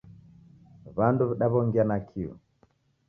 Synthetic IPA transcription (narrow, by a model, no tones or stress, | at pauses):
βanduβɛɗaβɔŋɡianakʰiɔ̰